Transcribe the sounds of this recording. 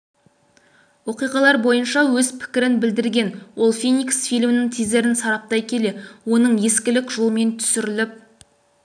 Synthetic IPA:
wo̞qijʁɑlˠɑɾbo̞jənʃɑwɵzpʰɪ̥kʲɪɾɪnbɪld̪ɪɾɡʲe̞nwo̞lˠfinʲiksfijlʲmɪnɪŋt̪ʰijzd̪e̞ɾɪnsɑɾɑp̚t̪ɑjkʲʰe̞le̞wo̞nəɴje̞skʲɪlɪkʒ̥olˠme̞nt̪ʰʏ̥sɪɾɪlɪp̚

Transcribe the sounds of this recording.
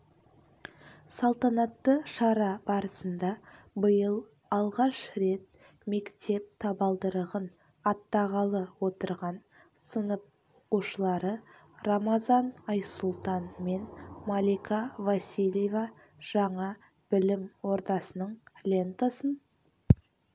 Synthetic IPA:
sɑlˠt̪ɑnɑt̪ːəʃɑɾɑbɑɾəsənd̪ɑ | bəjəlˠ | ɑlˠʁɑʃɾe̞t̪̚ | me̞kt̪ʰe̞p̚t̪ʰɑbɑlˠd̪əɾəʁən | ɑt̪ːɑʁɑlˠəwo̞t̪əɾʁɑn | sənəp̚woquʃəlˠɑɾə | ramɑzɑnɑjsʊlˠt̪ɑnme̞nmalʲikʰavasʲilʲjeva | ʒ̥ɑɴɑ | b̥ɪlɪmwo̞ɾd̪ɑsənəɴlʲe̞nt̪asən

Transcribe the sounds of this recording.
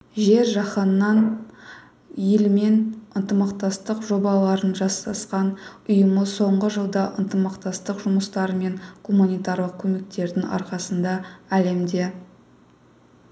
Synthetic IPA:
ʒe̞ɾʒɑχənəːɑn | jelme̞nənt̪əmɑqt̪ɑst̪əqʒo̞bɑlˠɑɾənʒɑst̪ɑsqɑnʊjəməso̞ɴʁəʒəlˠd̪ɑʔənt̪əmɑqt̪ɑst̪əqʒʊməst̪ɑɾəme̞ŋkʰomunʲijt̪ɑɾlˠəq̚kʲʰɵme̞k̚t̪e̞ɾd̪ɪŋɑ̰ɾqɑsənd̪ɑæle̞md̪e̞

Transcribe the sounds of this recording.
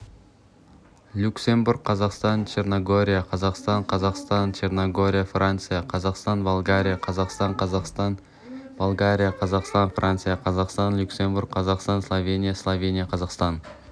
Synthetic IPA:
lʲuksʲe̞mbuɾk̚qʰːɑzɑqst̪ɑnt͡ʃe̞rnoɡo̞ɾʲijaqʰɑzɑqst̪ɑɴqʰɑzɑqst̪ɑnt͡ʃe̞rnoɡo̞ɾʲijafrant̪sɨjaqʰɑzɑqst̪ɑnbolˠɡaɾʲijaqʰɑzɑqst̪ɑɴqɑzɑqst̪ɑn | bolˠɡaɾʲijaqʰɑzɑqst̪ɑnfrʔant̪sɨjaqʰɑzɑqst̪ɑnlʲuksʲe̞mbuɾk̚qʰɑzɑqst̪ɑnslˠovʲe̞nʲijaslˠovʲenʲijaqʰɑzɑqst̪ɑn

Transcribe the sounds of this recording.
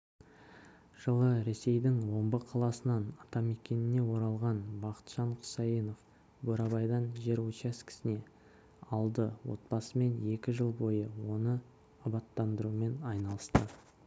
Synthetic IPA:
ʒ̥əlˠəɾe̞se̞jd̪ɪŋwo̞mbəqʰɑlˠɑsənɑnɑt̪ɑme̞kʲenɪne̞wo̞ɾɑlˠʁɑnbɑqə̥t̪ʒ̥ɑɴqʰʊ̥sɑjino̞f | boɾɑbɑjd̪ɑnʒe̞ɾwot͡ʃɑskʲʰɪ̥sɪne̞ | ɑlˠd̪əwo̞̰t̪̚bɑsəme̞ne̞kʲɪʒəlˠbo̞jəwo̞nə | ɑbɑt̪ːɑnd̪əɾume̞nɑjnɑlˠəst̪ə

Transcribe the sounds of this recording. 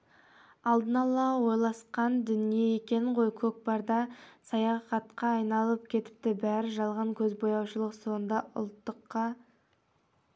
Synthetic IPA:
ɑlˠd̪ənɑlˠɑwo̞jlˠɑsqɑnd̪ʏnije̞e̞kʲe̞nɪɴqo̞jkʲʰɵk̚bɑɾd̪ɑsɑjɑχɑt̪qɑːjnɑlˠəp̚kʲʰe̞t̪ɪ̥p̚t̪ɪbæɾɪʒɑlˠʁɑŋkʲʰɵzbo̞jɑwʃəlˠəqso̞nd̪ɑʔʊ̰lˠt̪ːəqːɑ

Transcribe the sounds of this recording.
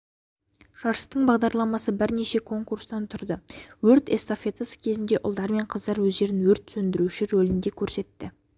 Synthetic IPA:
ʃɑɾəst̪əɴbɑʁd̪ɑɾlˠɑmɑsəbɪɾneʃe̞kʰo̞ŋkuɾst̪ɑnt̪ʰʊɾd̪əwɵɾt̪est̪ofʲe̞t̪asə̥kʲʰe̞zɪnd̪e̞ʔʊlˠd̪ɑɾme̞ɴqʰəzd̪ɑɾwɵzd̪e̞ɾɪnwɵɾt̪sɵnd̪ɪɾuʃɪɾolɪnd̪e̞kʲʰɵɾse̞t̪ːɪ

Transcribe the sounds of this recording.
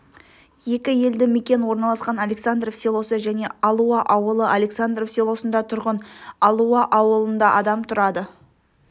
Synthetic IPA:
je̞kʲɪje̞ld̪ɪme̞kʲe̞nwo̞ɾnɑlˠɑsqɑnalʲe̞ksand̪ro̞fselˠo̞səʒæne̞ɑlˠuɑʔɑwəlˠəʔalʲe̞ksand̪rofselˠo̞sənd̪ɑt̪ʰʊɾʁənɑlˠuɑʔɑwəlˠənd̪ɑʔɑd̪ɑmt̪ʰʊɾɑd̪ə

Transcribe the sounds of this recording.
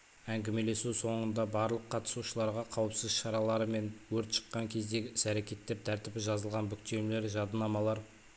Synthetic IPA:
æŋɡʲeme̞le̞suwso̞ɴənd̪ɑbɑɾlˠəqʰːɑt̪ə̥suʃəlˠɑɾʁɑqʰɑwəpsəzʃɑɾɑlˠɑɾəme̞nwɵɾt̪ʃə̥qːɑŋkʲʰe̞zd̪e̞ɡʲɪɪsæɾe̞kʲe̞t̪ːe̞p̚t̪ʰæɾt̪ɪbɪʒɑzəlˠʁɑnbʏk̚t̪e̞mle̞ɾʒɑd̪ənɑmɑlˠɑɾ

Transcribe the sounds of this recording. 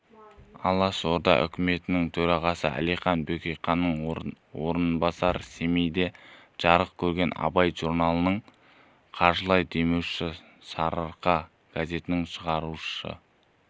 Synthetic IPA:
ɑ̰lˠːɑso̞ɾd̪ɑ̰ʔʏ̰kʲɪme̞t̪ɪnɪŋt̪ʰɵɾɑʁɑsəʔæ̰lijχɑnbekʲejqɑnːəɴ | woɾənbɑsɑɾse̞mejd̪e̞ | ʒ̥ɑɾəq̚kʲʰɵɾɡʲe̞nɑ̰bɑjʒ̥uɾnɑlˠənəɴ | qʰɑɾʒəlˠɑjd̪e̞mewʃɪ | sɑɾəɾqɑ | ɡ̥aze̞t̪ɪnɪŋʃəʁɑɾuʃə̰

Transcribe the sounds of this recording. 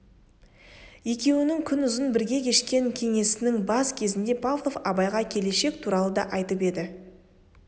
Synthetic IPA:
je̞kʲe̞wɪnɪŋkʲʰʏnʏzɪnbɪɾɡʲe̞kʲʰe̞ʃkʲe̞ŋkʲʰe̞ŋe̞sɪnɪŋbɑskʲʰe̞zɪnd̪e̞pʰavlˠo̞fɑbɑjʁɑkʲʰe̞le̞ʃe̞k̚t̪ʰuɾɑlˠəd̪ɑʔɑjt̪əpe̞d̪ɪ

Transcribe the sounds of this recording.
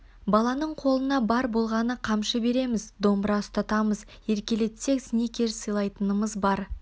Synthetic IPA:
bɑlˠɑnəɴqʰo̞lˠənɑbɑɾbo̞lˠʁɑnəqʰɑmʃəbe̞ɾe̞mɪzd̪o̞mbɾɑʊst̪ɑt̪ɑməz | je̞ɾkʲe̞le̞t̪se̞ksnekʲʰe̞ɾsəjlˠɑjt̪ənəməzbɑɾ

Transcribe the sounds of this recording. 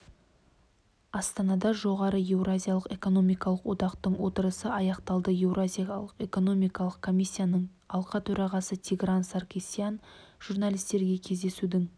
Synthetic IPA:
ɑst̪ɑnɑd̪ɑʒo̞ʁɑɾəje̞wrazʲijalˠəqe̞ko̞no̞mijkɑlˠəqwo̞t̪ɑqt̪əɴwo̞t̪əɾəsəɑjɑqt̪ɑlˠd̪əje̞wrazʲijalˠəqe̞ko̞no̞mijkɑlˠəq̚kʰo̞mʲijsʲːijanəɴ | ɑlˠqɑt̪ʰɵɾɑʁɑsət̪ʲʰiɡransarkʲesijanʒ̥urnalʲijst̪e̞ɾɡʲe̞kʲʰe̞zd̪e̞sud̪ɪŋ

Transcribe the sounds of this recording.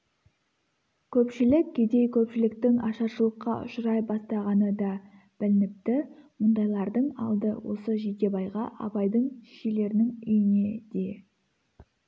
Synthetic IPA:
kʲʰɵpʃɪlɪkʲkʲʰe̞d̪e̞jkʲʰɵpʃɪlɪkt̪ɪŋɑʃɑʃəlˠəqːɑ̰ʔʊ̰ʃəɾɑjbɑst̪ɑʁɑnəd̪ɑ | b̥ɪlɪnɪp̚t̪ɪmʊnd̪ɑjlˠɑɾd̪əɴɑ̰lˠd̪əwo̞səʒek̪ʲe̞bɑjʁɑ̰ʔɑ̰bɑjd̪əɴʃele̞ɾɪnɪŋʏjɪne̞d̪̥e̞

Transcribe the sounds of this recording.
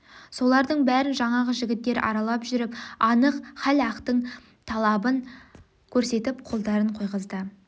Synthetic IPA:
so̞lˠɑɾd̪əɴbæɾɪnʒɑɴɑʁəʒɪɡʲɪt̪ːe̞ɾɑ̰ɾɑlˠɑpʒʏɾɪpɑnəqχælɑqt̪əɴ | t̪ʰɑlˠɑbən | kʲʰɵɾse̞t̪ɪpqʰo̞lˠd̪ɑɾəɴqʰo̞jʁəzd̪ə

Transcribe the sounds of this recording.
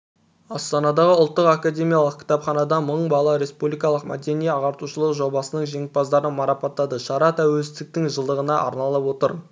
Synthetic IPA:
ɑst̪ɑnɑd̪ɑʁəʊlˠt̪ːəqakad̪ʲe̞mʲijɑlˠəq̚kʰʲɪ̥t̪ɑpχɑnɑd̪ɑməɴbɑlˠɑɾe̞spublijkɑlˠəqmʔæ̰d̪e̞nijeɑʁɑɾt̪uʃəlˠəqʒo̞bɑsənəɴʒeŋɪt̪̚bɑzd̪ɑɾənmɑɾɑpɑt̪ːɑd̪əʃɑɾɑt̪ʰæwelsɪzd̪ɪk̚t̪ɪŋʒəlˠd̪əʁənɑʔɑ̰ɾnɑlˠɑpwo̞t̪əɾ

